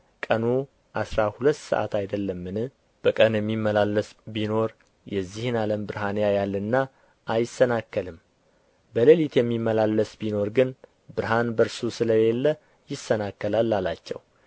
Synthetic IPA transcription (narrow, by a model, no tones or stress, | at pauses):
kʼənu | ʔasɾahulət̪ːsə̰ʔa̰t̪ʰajd̪əlːəmːɨnɨ | b̥əkʼənjɛmːimːəlalːəsbino̞ɾ | jɛzːihɨnaləmbɨɾhanejajalːənːa | ʔajɪsːənakːəlɨm | bəlelit̪ʰjɛmːimːəlalːəsbino̞ɾɡɨn | bɨɾɦanbəɾsusɨləjelːə | jɪsːənakːəlalːalat͡ʃːɛ̰w